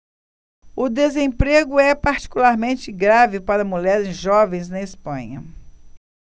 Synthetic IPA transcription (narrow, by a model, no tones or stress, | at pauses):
ʊd̪ezẽpɾeɡʊɛpaɾt͡ʃi̥kulaɾmẽnt͡ʃɪɡɾavɪpaɾɐmuʎɛɾɪzʒɔvẽj̃znɐispɐ̰̃ɲɐ̰